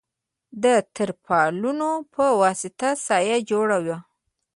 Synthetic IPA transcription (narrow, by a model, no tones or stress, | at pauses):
d̪ət̪əɾpʰɑlunopʰəwɑsɪt̪asɑjad͡ʒoɽawa